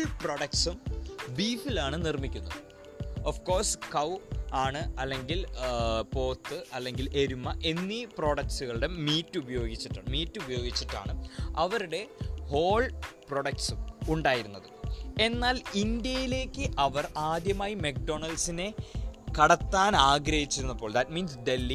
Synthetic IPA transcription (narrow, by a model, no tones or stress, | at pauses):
ɭpro̞ɽɐk̚sumbiːfilaːɳɨnirmikʲːunːɐðɨ | ofko̞ːrskɐwaːɳɨɐlːe̞ŋɡilpo̞ːt̪ːɨɐlːe̞ŋɡilʔe̞ɾumːɐʔe̞nːipro̞ːɽɐksuɣɐɭɽemiːtːubɐjo̞ːɡit͡ɕːiʈːa̰ːɳɨmiːtːɨubɐjo̞ːɡit͡ɕːiʈːa̰ːɳɨɐʋɐɾuɽe̞ho̞ːɭpro̞ɽɐk̚ʈsɨuɳɖaːjiɾunːɐðɨe̞nːaːlind̪jɐjile̞ːkʲːɨʔɐʋɐraːd̪jɐmaːjimek̚ɖo̞ɳɐlsine̞kɐɽɐt̪ːaːnaːɡɾɐhit͡ɕːiɾunːɐpːoːɭd̪ɐtmiːnsde̞lːi